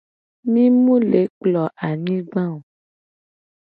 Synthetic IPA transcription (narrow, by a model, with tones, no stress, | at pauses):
mĩ˦mũ˦le˨˦k͡plɔ˨ʔa˨ɲĩ˦ɡ͡bã˦o˨